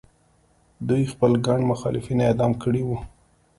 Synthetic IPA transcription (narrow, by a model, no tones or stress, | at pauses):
d̪ujxpəlɡaɳɖmʊxɑ̰lɪfinaed̪ɑmkəɽiwu